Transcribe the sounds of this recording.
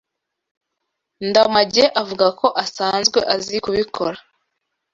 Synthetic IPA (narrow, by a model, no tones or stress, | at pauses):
ndamaɟeʔavuɡako̞ʔasaːnzɡwe̞ʔaziikuβikʰoɾa